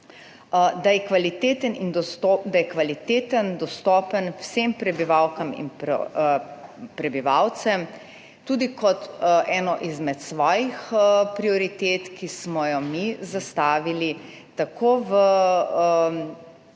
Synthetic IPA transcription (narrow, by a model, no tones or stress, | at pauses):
d̪ajɛkʋalit̪eːt̪ənind̪ɔod̪ajɛkʋalit̪eːt̪ənd̪ɔst̪ɔːpənwsempɾɛbiʋawkɐmḭnpɔ̰ | pɾɛbiʋawt̪sɛm | t̪uːd̪ikɔt̪ʔɛːnɔʔizmɛt̪sʋɔːjixpɾiɔɾit̪eːt̪kismɔjɔmizast̪aːʋili | t̪akoːʋə